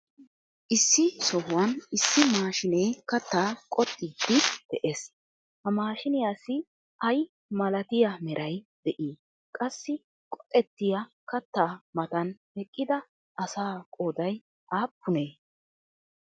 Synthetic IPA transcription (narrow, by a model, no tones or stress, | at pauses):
ʔɪsːɪsɔhʊwɐnɪsːɪmaːʃɪnejkɐt̪ːaːkʼɔt̪ʼːɪd̪ɪd̪̥ɛʔeːs | hɐmaːʃɪnɪjaːsɪ | ʔɐj | mɐlɐt̪ɪjɐmɛɾʔɐjd̪̥ɛʔiː | kʼɐsːɪ | kʼɔ̥ʔʼɛt̪ːɪjɐ | kɐt̪ːaːmɐt̪ɐnhɛkʼːɪd̪ɐ | ʔɐsaːkʼoːd̪ɐj | ʔaːpːʊneː